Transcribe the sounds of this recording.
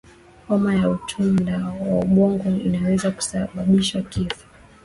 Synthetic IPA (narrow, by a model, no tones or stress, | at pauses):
hɔmajautʰundawauɓɔŋɡɔinawɛzaku̥saɓaɓiʃwakifu̥